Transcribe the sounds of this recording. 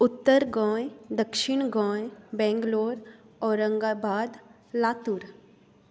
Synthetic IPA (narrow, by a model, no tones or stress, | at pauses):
ʊt̪ːəɾɡɔ̃ːjd̪əkʃɪɳ̃ɡɔ̃ːjbɛ̃ːŋɡloːɾɔːɾːə̃ŋɡaːbaːd̪ | laːt̪uɾ